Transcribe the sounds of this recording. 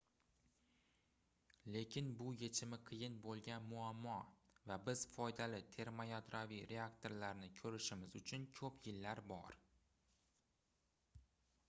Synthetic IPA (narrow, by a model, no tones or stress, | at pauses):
le̞kʲʰɪnbʊje̞t͡ʃʰɪmɪqʰɨjɪnbolˠɡʲanmʊamːɒvabɪz̥fɒjd̪alɪt̪ʰe̞ɾmajɒt̪ɾaviɾe̞akt̪ʰo̞ɾlaɾnɪkʲʰɵɾɪʃɪmɪzʊt͡ʃʰʊnkʲʰɵpʰjɪlːaɾbɒ̰ɾ